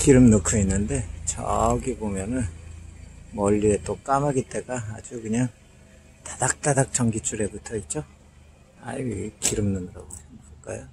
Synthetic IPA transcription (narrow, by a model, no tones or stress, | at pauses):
kiɾɯmnokʰuinːɯnde̞t͡ɕʌ̰ɡibomjʌnɯn | mʌʎːie̞t͈ok͈amaɡit͈e̞ɡaːd͡ʑukɯɲaŋ | tḁd̥ak̚t͈adak̚t͡ɕ͈ʌŋɡit͡ɕ͈ʰuɾe̞butʰʌit͡ɕ͈o | a̰ikiɾɯmnɯnɯɾa̰ɡomokʰɯɭk͈a̰jo